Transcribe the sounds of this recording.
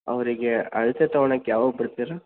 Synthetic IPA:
ɐʋɐɾiɡeɐɭset̪ɐʋɐɳɐkːjaːʋabɪɽt̪iɾɐ

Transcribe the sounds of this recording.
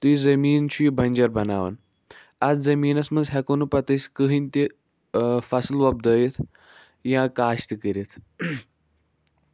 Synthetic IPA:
t̪uizɐmiːnt͡ʃʰuibʱɐnʲd͡ʒɐɾbɐna̰ːʋɐ̰n | ɐd̪zɐmiːnɐsmɐnzɦʲɛkonupɐt̪əsʲkəɦinʲt̪i | fɐslʋɐb̚d̪əːjit̪ʰ | jãkaːɕt̪ikəɾit̪ʰ

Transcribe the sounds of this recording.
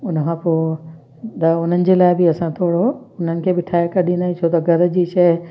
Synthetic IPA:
ʊnəkʰãːpoː | d̪ɐʊn̤ənɪ̆d͡ʑeːlaːɪbɪɐsãt̪ʰoːɽoʊn̤ənɪ̆kʰeːbɪʈʰaːekɐɗĩnaːĩt͡ɕʰot̪ɐɡʱɐɾəd͡ʑiːʃɐɦ

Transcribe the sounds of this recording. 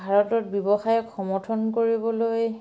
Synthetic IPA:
bʱaɹɔtɔt̚biɔbɔxajɔkxɔmɔtʰɔnkoɹibɔloj

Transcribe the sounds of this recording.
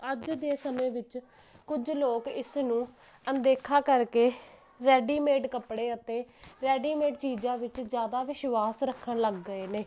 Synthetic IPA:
əd͡ʒd̪eːsəmẽːʋɪt͡ʃ | kʊd͡ʒloːkɪsnũː | ənd̪eːkʰaːkəɾkeː | ɾɛːɖiːmeːʈkəpɽeːət̪eːɾɛːɖiːmeːʈt͡ʃiːd͡ʒãːʋɪt͡ʃd͡ʒjaːd̪aːʋɪʃʋaːsɾəkʰːəɳləɡːəeːneː

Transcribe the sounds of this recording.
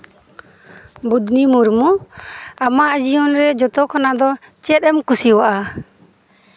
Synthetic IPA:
bud̪nimuɾmu | amaʔd͡ʒiɔnɾɛd͡ʒɔt̪ɔkʰanad̪ɔ | t͡ʃɛt̪̚ɛmkusiwaʔa

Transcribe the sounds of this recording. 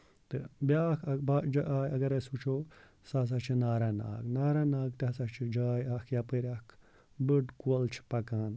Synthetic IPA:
t̪ɨbjakʰɐbad͡ʒɐʔaːjɐɡɐɾesut͡ʃʰo | saːs̬at͡ʃʰinaːɾana̰ːɡnaːɾanaːɡt̪asat͡ʃʰid͡ʒaːjaːkʰjapəɾʲaːkʰ | bɨɖkuolt͡ʃʰpɐkaːn

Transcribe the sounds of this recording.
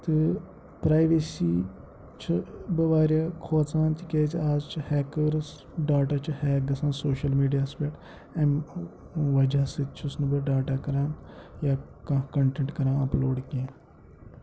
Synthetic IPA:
t̪ɨ | pɾaːiʋeːsiː | t͡ʃʰibɐʋaːɾjakʰoːt͡sãːnt̪ikeːt͡ʃiaːd͡ʒt͡ʃʰhɛːkəɾs | ɖaːʈaːt͡ʃʰihɛːɡɐsãːnsoːʃɐlmiːɖijaːspeʈ | em | ʋɐd͡ʒaːsɨt͡ʃʰʊsnɨbɐɖaːʈaːkɐɾaːnjaːkɐ̃kɐɳʈẽɳʈkɐɾãːɐploːɖkẽː

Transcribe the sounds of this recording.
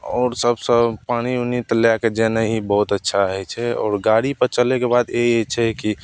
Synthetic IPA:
ɔːɾsəbsə̃paɽ̃iunit̪ljaked͡ʒenəɦibəɦut̪ətːʃʰaɦɛt͡ʃʰɛɔ̰ːɾɡaɽipəɾt͡ʃəlekebad̪eet͡ʃʰɛki

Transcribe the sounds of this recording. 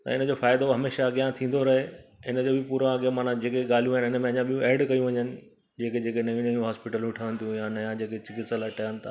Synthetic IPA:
t̪ɐ̰ɪnəd͡ʑoːfaːɪd̪oɦɐmeːʃaɐɠijãt̪ʰĩːn̆d̪oɾɐɦeɪnəd͡ʑoːbɪpuːɾãɐɡemaːnãd͡ʑeːkeɠaːl̤ijũaɦɪnɪnəmẽɐɲãɓʱijũʔɛːɖkɐjũʋɐɲənɪ̆ | d͡ʑeːked͡ʑeːkenɐʋĩnɐjũɦaːspɪʈəlɦʊʈʰaʋə̃nd̪ijũjãnɐjãd͡ʑeːket͡ɕɪkɪsəlɐʈaənɪt̪ʰa̰ː

